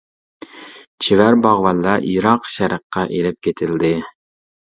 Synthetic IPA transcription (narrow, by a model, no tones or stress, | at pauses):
t͡ʃʰivæɾbɑʁwɑlːɑʔiɾɑqʃɛɾəqʰːɑʔelɪp̚kʲet̪ʰɪld̪ɪ